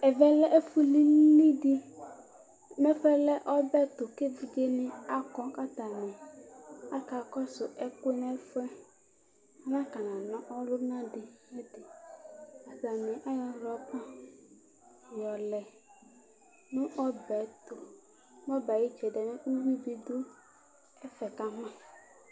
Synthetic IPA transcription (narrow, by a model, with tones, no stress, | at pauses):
ɛ˨vɛ˦lɛ˦ʔfu˦li˦i˦dɪ˦ | mɛ̃˦fɛ˦lɛ˦ʔɔ˦bɛ˦t̪ʊ˨ke˦vi˨d͡ʒe˦nɪ˦a˦kɔ˦ka˦t̪a˨nɛ̃˨ | a˦ka˨kɔ˦sʊ˨ʔɛ˦kʊ˦ɛ˦nɛ̃˦fʊ˦ɛ˦ | nã˦ka˨nã˨nɔ̃˦ʔɔ˦lʊ˦nã˦dɪ˨e˦d̪e˨ | a˨ba˨nɛ̃˨ʔa˦jɔ˨ɾɔ˨˦k͡pã˦ | jɔ˨lɛ˨ | nũ˦ʔɔ˦bɛ˨t̪o˨ | m˦ɔ˦ba˨ji˦d͡ʒɛ˨ɖɛ˨mẽ˦u˦wi˦bi˨d̪o˦ | ɛ˦fɛ˨ka˦mã˦